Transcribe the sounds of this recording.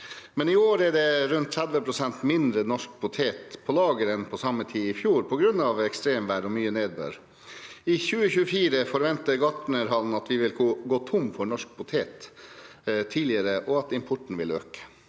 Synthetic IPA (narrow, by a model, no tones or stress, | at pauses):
mɛnɪoːɾæɖɛɾʉnt̪ʰːɾæd̪ʋəpʰɾʊsɛnt̪mɪnd̪ɾənɔʂk̚pʰʊt̪ʰeːt̪pʰɔlɑːɡəɾɛnpʰɔsɑmːət̪ʰiːɪfjuːɾpʰɔɡɾʉnːɑʋɛkst̪ɾeːmʋæɖɔmyːəneːd̪̚bø̰ːɾ | ɪçʉːəçʉːəfiːɾəfɔɾʋɛnt̪əɡɑʈɳ̩əɾɦɑln̩ɑt̪ʋɪʋɪlɡoːt̪ʰʊmfɔɳɔʂk̚pʰʊt̪ʰeːt̪ | t̪ʰiːlɪəɾəʔɔɑt̪ɪmpʰʊʈɳ̩ʋɪlø̰ːkə̥